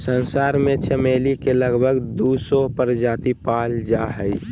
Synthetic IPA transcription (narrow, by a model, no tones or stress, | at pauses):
sənsaːɾmẽt͡ʃəmelikeləɡbʱəɡd̪usɔpəɾd͡ʒaːt̪ipald͡ʒaɦəi